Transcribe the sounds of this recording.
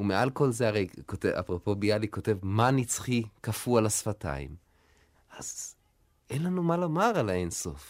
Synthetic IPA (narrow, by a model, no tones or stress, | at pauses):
umeʔalko̞lzeaʁejkotea̰pʁopo̞bijaliko̞te̞vmanit͡sχikafualasfata̰ḭm | az | ʔe̞nlanumalomaʁalaenso̞f